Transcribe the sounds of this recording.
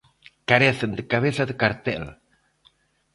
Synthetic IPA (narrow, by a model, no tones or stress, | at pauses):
kaɾeθend̪əkaβ̞eθaðekaɾt̪ɛ̰l